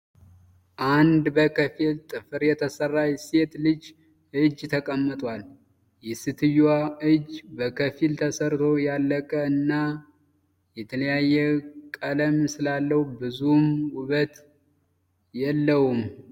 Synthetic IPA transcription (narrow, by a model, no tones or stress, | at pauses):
ʔand̪bəkʰəfilt̪ʼɨfɨɾjɛt̪ʰəsərːajse̞t̪lɨd͡ʒ | ɨd͡ʒːt̪ʰəkʼəmːət̪ʼwal | jɛsɨt̪ʰɨjwaɨd͡ʒbəkʰəfilt̪ʰəsəɾt̪ʰo̞jalːəkʼəɨnːa | jɛt̪ʰələjajːɛkʼələmsɨlalːəhbɨzumwʊβət̪ | jɛlːəwum